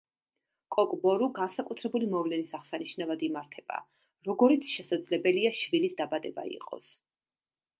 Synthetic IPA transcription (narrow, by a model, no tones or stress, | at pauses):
kʼɔkʼbɔɾuɡansakʼut̪ʰɾɛbulimɔvlɛnisaʁsaniʃnavad̪imaɾt̪ʰɛb̥a̰ | ɾɔɡɔɾit̪sʰʃɛsad̪zlɛbɛliaʃvilisd̪abad̪ɛba̰ḭqʼɔ̰s